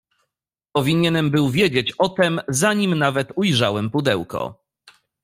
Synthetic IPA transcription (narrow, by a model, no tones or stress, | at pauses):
pɔvʲiɲɛnɛmbɘwvʲjed͡ʑet͡ɕɔt̪ɛmzaɲimnavɛt̪ujʐawɛmpud̪ɛwkɔ̰